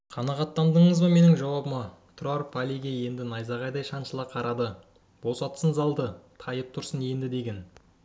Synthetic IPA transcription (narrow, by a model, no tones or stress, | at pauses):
qʰɑnɑʁɑt̪ːɑnd̪əɴəzbɑme̞nɪŋʒɑwɑbəmɑ | t̪ʰroɾpʰalʲiɡʲeje̞nd̪ɪnɑjzɑʁɑjd̪ɑjʃɑnʃəlˠɑqʰɑɾʔɑd̪ə | b̥o̞sɑt̪sənzɑlˠd̪ət̪ʰɑjəp̚t̪ʰʊɾsəne̞nd̪ɪd̪e̞ɡʲe̞n